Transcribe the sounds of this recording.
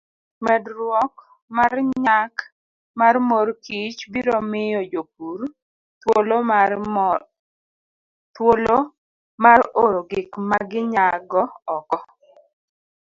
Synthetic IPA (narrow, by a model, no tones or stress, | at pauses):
mɛdɾwɔk̚ | marɲak | marmorkit͡ʃbiɾomɪjɔd͡ʒop̚uɾ | twolo | twolo | maroɾoɡɪkmaɡɪɲaɡɔɔkɔ